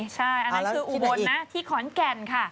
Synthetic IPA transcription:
t͡ɕʰa˥˩jʔa˧na˥˦kɯː˧ʔu˨˧˩bo˧nːa˦˥t̪ʰiː˥˩kʰɔː˩˦nkɛ˧nkʰa˥˩

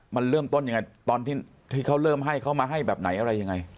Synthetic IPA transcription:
ma˧nɾɤː˥˩mt̪o˥˩nja˧ŋa˧jt̪ɔː˧nt̪ʰiː˥˩ | t̪ʰiː˥˩kʰa˦˥˩wɾɤː˥˩mɦa˥˩jkʰa˦˥˩wmaː˧ɦa˥˩jbɛː˨˩p̚na˩˦jʔa˧ɾa˧jːa˧ŋa˧j

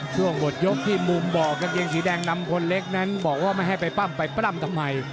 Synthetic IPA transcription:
t͡ɕʰu˥˩əŋbo˨˩t̪̚jo˦˥k̚t̪ʰiː˥˩mu˧mbɔː˨˩k̚t͡ɕa˧ŋje˧ŋsiː˩˦dɛː˧ŋna˧mkʰo˧nle˦˥k̚na˦˥nbɔː˨˩k̚waː˥˩ma˥˩jɦa˥˩jpa˧jpa˥˩mpa˧jpɾa˥˩mt̪ʰa˧mːa˧j

